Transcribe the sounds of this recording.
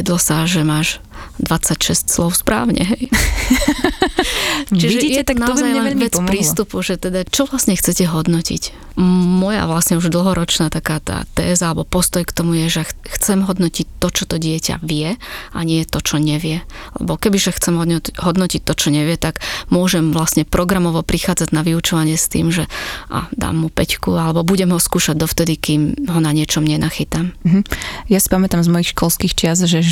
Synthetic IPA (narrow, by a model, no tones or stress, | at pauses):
ɛd̪lɔsaʒɛmaːʒ | d̪ʋat͡sacʃɛscslɔʊspɾa̰ːʊɲɛ̰ɦɛj | t͡ʃiʒɛijɛt̪naɔzajɛɛɛʋɛt͡spɾiːst̪upuʒɛt̪ɛd̪at͡ʃɔʋlasɲɛxt͡sɛcɛɦɔd̪nɔcḭc | mɔja̰ʋlasɲɛuʒd̪l̩ˠɦɔɾɔt͡ʃnaːt̪akaːt̪a̰ːt̪ɛːzaalɛbɔpɔst̪ɔjkt̪ɔmujɛʒɛxt͡sɛmɦɔd̪nɔcic̚t̪ːɔt͡ʃɔt̪ɔɟɪɛca̰ʋɪɛaɲɪɛt̪ɔt͡ʃɔɲɛʋɪɛalɛ̰bɔkɛbiʒɛxt͡sɛmɦɦɔd̪nɔcit̚t̪ːɔt͡ʃɔɲɛʋɪɛt̪aɡmʊɔʒɛmʋlasɲɛpɾɔɡɾamɔʋɔpɾixaːd͡zaɟnaʋiut͡ʃɔʋaɲɪɛst̪ḭːmʒɛʔa̰d̪a̰ːmːupɛckualɛbɔbuɟɛmɦɔskuːʃaɟ̚d̪ɔft̪ɛd̪ikiːmɦɔnaɲɪɛt͡ʃɔmɲɛnaxit̪am̩ɦ̩jasi̥pamɛt̪amzmɔjixʃkɔlskiːxt͡ʃɪazʒɛ